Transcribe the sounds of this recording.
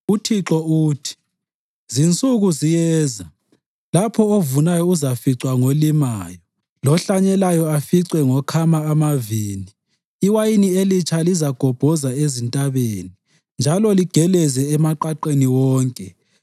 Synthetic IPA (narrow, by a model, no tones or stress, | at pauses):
utʰiǁɔuːtʰi̥ | zint͡sʼuɣuzijɛːza | lapʰɔovunajɔuzafiǀwaŋolimaːjɔ | lɔɬaɲɛlajɔafiǀwɛŋɔkʰamaːmaviːniː | wajinielit͡ʃʰʼalizaɡ̥ʱɔb̥ʱɔzaezintʼaβeːni | nd͡ʒʱalɔliɡ̥ʱɛlɛzɛɛmaǃaǃeniwɔːŋkʼɛ